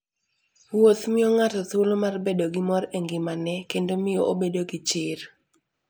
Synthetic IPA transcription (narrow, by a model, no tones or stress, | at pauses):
wot̪mɪoŋatɔt̪ulomarbedoɡɪmɔɾeŋɡɪmanɛkendomɪjoʔobedoɡit͡ʃɪr